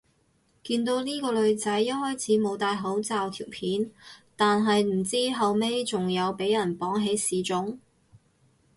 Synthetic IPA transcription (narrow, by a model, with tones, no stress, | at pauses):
kiː˧nt̪o˨˥wniː˥kɔː˧lɵ˨˧ɥt͡sɐ˨˥jːɐ˥t̚hɔː˥jt͡sʰiː˨˥mo˨˧wt̪aː˧jɦo˨˥wt͡saː˨wt̪ʰiː˨˩wpʰiː˨˥nt̪aː˨nɦɐ˨jm̩˨˩t͡siː˥ɦɐ˨wme˥jt͡sʊ˨ŋjɐ˨˧wpe˨˥jɐ˨˩npɔː˨˥ŋɦe˨˧˥jsiː˨˧t͡sʊ˨˥ŋ